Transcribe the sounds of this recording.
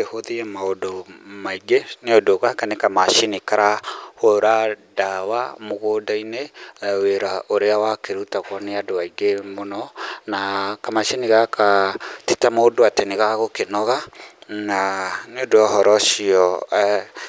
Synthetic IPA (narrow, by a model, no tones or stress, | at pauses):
ehoðiɛmaodomaiɡeneodoɣakanekamaʃenikaɾahoɾadawamoɣodaineweɾaʔoɾeawakeɾutaɣwɔneadoaiɡemonɔnakamaʃeniɣakʰatitamaodoateneɣaɣokenɔɣananeodoaɦɔɾɔʃiɔ